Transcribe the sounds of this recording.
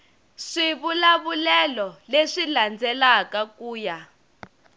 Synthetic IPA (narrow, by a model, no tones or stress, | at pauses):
ʂiβulaβulɛlɔleʂiland͡zɛlakakuːja